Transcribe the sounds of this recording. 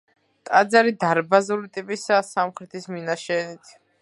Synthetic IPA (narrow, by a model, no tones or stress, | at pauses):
t̪ʼad̪zaɾid̪aɾbazulit̪ʼipʼisasamχɾɛt̪ʰisminaʃɛːnit̪ʰ